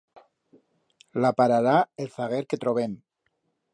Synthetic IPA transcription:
lapaɾaɾaelθaɣ̞eɾke̞t̪ɾo̞βen

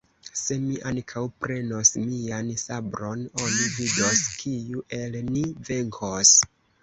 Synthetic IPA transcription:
se̞miʔankʰawpɾe̞no̞smiansabɾono̞nivido̞skʰiuʔe̞lnive̞ŋkʰos

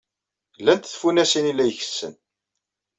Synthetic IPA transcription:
lːænt̪θfunæsinilːæjçə̥sːə̰n

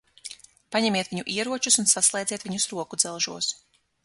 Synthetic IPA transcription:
paɲɛmʲiɛt̪viɲuʔiɛɾuɔt͡ʃusunsaslˠɛjd̪zʲiːt̪vʲiɲusɾuɔkud̪zɛlˠʒuɔs

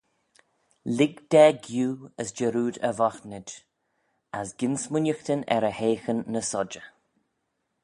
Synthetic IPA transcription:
lɪɡd̪̥ɛːɡjuːəsd͡ʒəɾuːd̪əvɔxnəd͡ʒ | asɡɪnsmʊnʲjəxt̪ənɛ̰ɾəheːxənːəsɔd͡ʒə

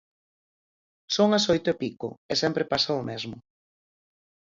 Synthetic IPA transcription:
soŋɐsojt̪ʊepikʊ̰ɛsɛmpɾepasaʊmɛzmʊ

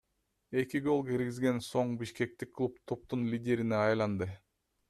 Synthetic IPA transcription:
e̞kiɡo̞lˠkiɾɡizɡe̞nso̞ɴbiʃke̞k̚t̪ikʰːlˠup̚t̪ʰop̚t̪unlʲidʲe̞ɾineɑjlˠɑnd̪ɯ

